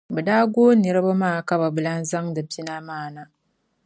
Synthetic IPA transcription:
bɨ˨daː˦ɡoː˦nɨ˨ɾɨ˦ba˦maː˦˨ka˦ba˨bɨ˨la˦n˦za˦ŋdɨ˨pi˦na˦maː˦˨na˨

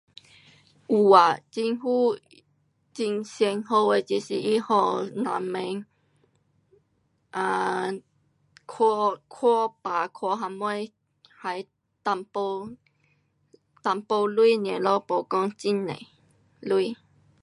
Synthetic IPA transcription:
ʔu˨˩a˨t͡ɕi˧ŋhu˦ | t͡ɕi˧ŋsjɛ˧ŋho˧e˧t͡ɕi˧˨si˨˩i˦hɔ˧nã̰˨mẽ˧ŋ | ʔã˧˨ | kʰɔ˧kʰɔ˦pa˨kʰwɔ˧˦ɦa˧mwɔ˦ | ha˨˧j | t̪a˧mpo˧ | t̪a˧˩mpo˧lui˦˨n˨ẽ˨˦lɔ˦po˧kɔ˦ŋt͡ɕi˦nːḛ̃˨˦ | lwu˦˨

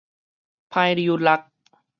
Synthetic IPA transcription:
pʰaː˧jɾi˧ju˧la˦˥k̚

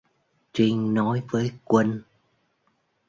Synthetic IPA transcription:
t͡ɕï˧ŋ̟nɔ˨˦jvəː˨˦jkwə˧n

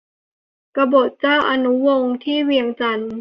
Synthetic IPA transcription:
ka˧bo˨˩t̪̚t͡ɕaː˥˩wʔa˧nu˦˥wo˧ŋt̪ʰiː˥˩wi˧əŋt͡ɕa˧n

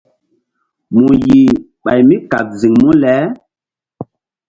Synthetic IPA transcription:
mu˨ji˨ | ɓa˨jmi˦ka̰˨k̚zi˨ŋmu˦lɛ˦

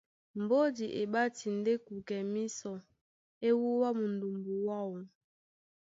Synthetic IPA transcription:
m̩˨bo˦di˨ʔe˨ɓa˦ti˨n˨de˦ku˨kɛ˨mi˦sɔ˨ | e˦wu˦wa˦mu˨n̩˨du˨mbu˨wa˦wu˨

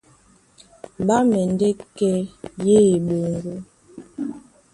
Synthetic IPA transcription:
ɓa˦mɛ˨n˦de˦kɛ˦je˦˨ɓo˨ŋ˦ɡo˦

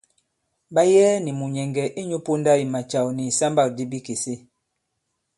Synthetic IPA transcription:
ba˦jɛː˦ni˨mu˨ɲɛ˨ŋɡɛ˨ʔe˦ɲu˦po˦nda˦i˨ma˨t͡ʃa˨wni˨sa˦mba˦˨k̚di˦bi˦ke˨se˦

